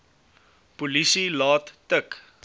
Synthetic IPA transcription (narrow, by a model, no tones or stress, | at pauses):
pulisilɑːtːək